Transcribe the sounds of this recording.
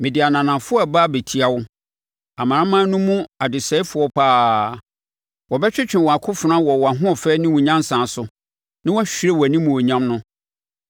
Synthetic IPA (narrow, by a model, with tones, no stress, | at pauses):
mɪ̃˨dɪ˨a˨nã˨nã˨fʊ˦ɔ˦a˨ba˦be˨tʰi˨a˨wʊ˦ | a˨mã˨ã˦mã˦nʊ̃˦mũ˦a˨dɪ˨sɛ˦ɪ˦fʊ˨ɔ˦pʰaː˦ | wɔ˨bɛ˦t͡ɕᶣɪ˦t͡ɕᶣɪ̃˨nwɔ˨a˨kʰʊ˦fʊ˨nã˦wɔ˨wɔ˨a˨ɦʊ̃˦ɔ˨fɛ˦nɪ̃˦wʊ̃˨ɲã˦n˦sã˨sʊ˨ | nɪ̃˦wɔ˦ɕᶣɪ˦ɾe˦wɔ˨æ˨nĩ˦mũ˨ɔ˨ɲã˦mnʊ̃˦